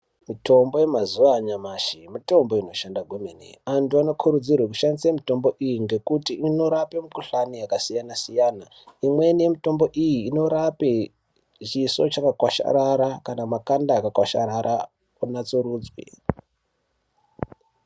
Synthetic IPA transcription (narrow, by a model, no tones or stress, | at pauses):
mito̞mbo̞je̞mazuʋaɲamaʃimito̞mbo̞ino̞ʃandaɡʱwumenḛantuano̞kʰuɾud͡zirwek̬uʃanisemito̞mbo̞ʔijiŋɡe̞kutiʔino̞ɾape̞mukuɬanijakasijanasijaːna | imwe̞nemito̞mbo̞ʔijiːno̞ɾape | t͡ʃiso̞t͡ʃakakwaʃa̰ɾaɾakanamakandaːkakwaʃaɾaɾa | unat͡suɾuːd͡zwḛ